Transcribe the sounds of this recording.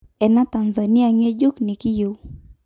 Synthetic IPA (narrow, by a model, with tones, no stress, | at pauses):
ɛ˨na˦ta˨nza˨ni˦a˦˨ŋe˦d͡ʒu˦kni˨ki˦ju˨